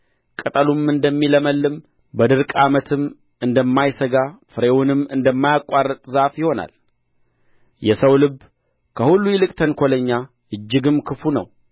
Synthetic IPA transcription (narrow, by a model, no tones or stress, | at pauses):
kʼət̪ʼəlumɨnd̪əmːiləməlːɨm | bəd̪ɨɾkʼamət̪ʰɨm | ɨnd̪əmːajsəɡafɨɾewunɨmɨnd̪əmːajakʼːarːət̪ʼzafjɪho̞na̰l | jɛsəwlɨb | kʰəhulːujɛlɨkʼt̪ʰənkʰo̞ləɲːa | ʔɨd͡ʒːɪɡɨmkʰɨfunə̰w